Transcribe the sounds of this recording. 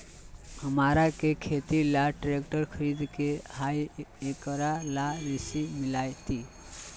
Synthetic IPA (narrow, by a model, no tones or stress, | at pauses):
həmaɾakekʰet̪ilaʈɾek̚ʈəɾkʰəɾid̪kehajekɾalaɾisimilajt̪i